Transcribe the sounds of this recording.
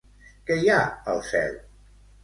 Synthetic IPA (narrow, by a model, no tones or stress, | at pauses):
kəjaəlˠsɛ̰lˠ